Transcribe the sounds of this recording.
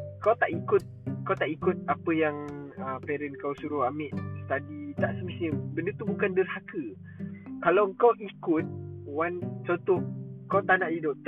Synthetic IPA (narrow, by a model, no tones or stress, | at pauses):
kawt̪aʔikʊt̪̚kawt̪aʔikʊt̪̚apəjaŋəpɛɾɛnkawsuɾʊhamɪʔst̪adit̪aʔsəmisɲəbəndət̪ubukandərhakə | kalawəŋkawikʊt̪̚want͡ʃot̪ʊhkawt̪aʔnaʔdidʊʔ̚t̪